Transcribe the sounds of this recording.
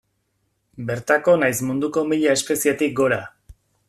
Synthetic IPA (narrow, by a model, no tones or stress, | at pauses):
be̞ɾt̪ako̞najsmund̪uko̞miʎaespe̞siet̪ik̚ɡo̞ɾa